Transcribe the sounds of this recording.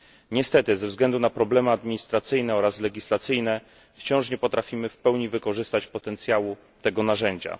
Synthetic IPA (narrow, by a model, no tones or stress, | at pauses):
ɲɛst̪ɛt̪ɘzɛvzɡlɛnd̪unapɾɔblɛmɘad̪mʲiɲist̪ɾat̪sɘjn̪ɛɔɾaslɛɡʲislat̪sɘjnɛ | ft͡ɕɔ̃w̃ʂɲɛpɔt̪ɾafʲimɘfpɛwɲivɘkɔʐɘst̪at͡ɕpɔt̪ɛnt̪sʲjawu | t̪ɛɡɔnaʐɛɲd͡ʑa̰